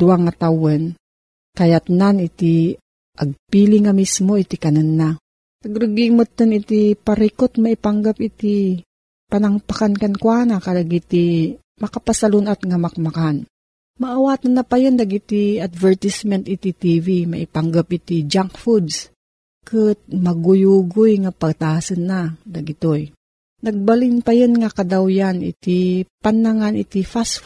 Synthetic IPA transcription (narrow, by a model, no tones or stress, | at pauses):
d̪̥ʊaŋːɐt̪awɛn | kɐjat̪nanɪt̪i | ʔɐɡ̚piliŋamismoit̪ikɐnanːa | ɐɡɾɨɡimʊt̪ːɐnɪt̪ipɐɾikot̪̚mɐipaŋɡapʔit̪i | pɐnɐŋpakankɐnkwaːnakɐlaɡit̪i | mɐkapasalunat̪ŋamɐk̚makan | mɐʔɐwaːt̪ɐnːɐpɐjond̪ɐɡit̪iɐd̪vɛɹt̪ismɛnt̪ʔɪt̪it̪ivimɐ̰ʔɪpaŋɡap̚ʔɪt̪id͡ʒaŋkfud̪s | kɨt̪̚mɐɡʊjuɡʊjŋɐpɐɡ̚t̪aːsɨnːad̪ɐɡɪt̪oj | nɐɡ̚bɐlɪnpɐjonŋɐkɐd̪awjanʔɪ̰t̪ipɐnːaŋanʔɪ̰t̪ifas